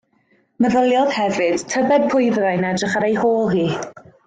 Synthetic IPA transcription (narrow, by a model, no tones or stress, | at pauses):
məðəlˠjɔð̥hɛvɨd̥tʰəbɛd̚pʰʊɨðrajnadrɪχaɾejhoːlˠɦiː